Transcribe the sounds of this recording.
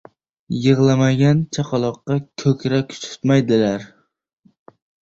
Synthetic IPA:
jɨʁlˠamaɡʲant͡ʃʰaqʰɑlˠɒqːɑkʰɵkʲɾakʲʰʊ̥t͡ʃ̪ʰʊ̥t̪majd̪ɪlaɾ

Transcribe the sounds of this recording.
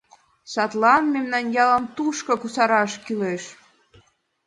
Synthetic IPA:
sɑt̪lɑnmemnɑnjɑləmt̪uʃkokusɑɾɑʃkyleʃ

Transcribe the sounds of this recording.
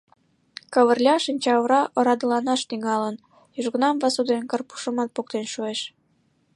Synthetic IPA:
kəβərlʲɑʃinʲt͡ɕɑβəɾɑʔŏɾɑd̪əlɑnɑʃt̪iŋɑlən | yʒɣənɑmvɑsud̪enkərpu̥ʃə̆mɑt̪̚pok̚t̪enʃueʃ

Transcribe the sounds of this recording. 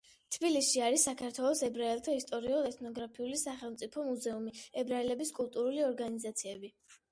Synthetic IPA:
t̪ʰbilisʃiaɾisːakʰaɾt̪ʰwɛlˠɔsɛbɾaɛlˠt̪ʰaist̪ʼɔɾiɔɛt̪ʰnɔɡɾapʰiulisaχɛlˠmt̪sʼipʰɔmuzɛumiɛbɾaɛlɛbiskʼulˠt̪ʼuɾuliɔɾɡanizat̪sʰiɛbi

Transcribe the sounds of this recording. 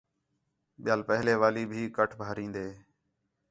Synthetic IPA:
ɓɪjaːlpəɦleːʋaːliːbʱiːkəʈʰbʱaːɾĩːnd̪eː

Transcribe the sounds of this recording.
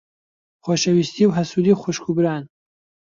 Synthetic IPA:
χʷɔʃɐwist̪ʰiwɦɐsud̪iχʷuʃkʰubɾaːn

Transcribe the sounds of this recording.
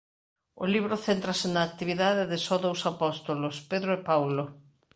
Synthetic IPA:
o̰liβɾoθent̪ɾɐsɪnɐːk̚t̪iβiðaðɪðɪsɔðowsapɔst̪olospeðɾoepawlo

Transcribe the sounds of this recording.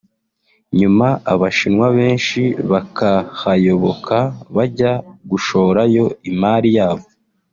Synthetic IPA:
ɲumaaβaʃinwaβe̞ːnʃiβakahajo̞βo̞kʰaβaɟaɡuʃo̞ɾajo̞imaːɾijaːβo

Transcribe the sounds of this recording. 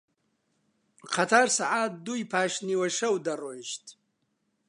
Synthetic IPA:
qʰat̪ʰaːrsaʕaːt̪̚d̪uipʰaːʃniwɐʃɐwd̪ɐroʃt̪ʰʼ

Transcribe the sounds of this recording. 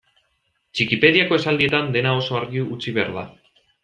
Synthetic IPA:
t͡ʃikipe̞ð̞iako̞e̞sald̪ie̞t̪and̪e̞nao̞so̞aɾɣiuut͡siβe̞a̰ɾða̰

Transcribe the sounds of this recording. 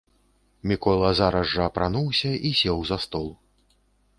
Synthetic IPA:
mʲikɔlˠɐzaɾɐzːɐːpɾanuwsʲɐisʲɛwzɐst̪ɔlˠ

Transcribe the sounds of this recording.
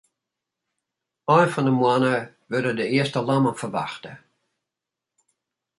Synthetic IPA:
ɔjnfɔndəmwanə | ʋørdədəɪəstəlˠamənfərʋa̰xtə

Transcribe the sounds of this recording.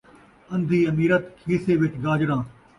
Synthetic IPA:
ɐ̃nd̪ʱiːɐmiːɾət̪kʰiːseːʋɪt͡ʃɡaːd͡ʒɾãː

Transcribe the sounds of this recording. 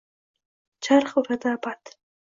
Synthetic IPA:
t͡ʃaɾχuɾad̪abat̪

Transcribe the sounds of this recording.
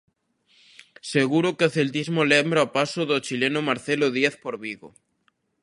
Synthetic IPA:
seɣuɾokeaθelt̪izmolembɾaopasoðot͡ʃilenomaɾθeloðjeθpoɾβiɣo

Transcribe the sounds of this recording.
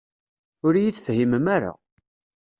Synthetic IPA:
ʊɾjit͡sːfhiməmaɾa̰

